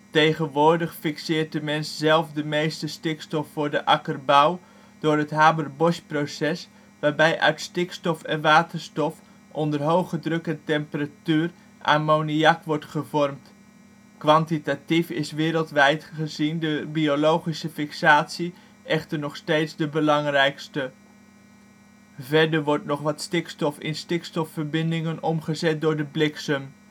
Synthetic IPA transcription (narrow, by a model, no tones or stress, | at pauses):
tejχənʋʊːɹdəχfiksɪːrt̚dəmɛnszɛlˠfdəmejstəstɪkstɔfːʊːɹdəʔɑkərbaw | d̥ʊːrətɦaːbərbɔʃprosɛs | ʋaːrbɛjʔœ̰ɥtstɪkstɔfɛnʋaːtərstɔf | ʔɔndərɦowχədrøkəntɛmpəratyːr | ʔa̰ːmowniɑkʋɔrtχəvɔrmt | kʋɑntitatifɪsʋɪːɾəlˠtʋɛjtχəzindəbiolowχisəfɪksaːtsi | ʔɛχtəɹnɔχstejtzdəbəlɑŋrɛjkstə | vɛɹdəɹʋɔɹtnɔχʋɑtstɪkstɔfɪ̰nstɪkstɔfəɹbɪndɪŋənɔmχəzɛt̚dʊːɹdəblɪksəm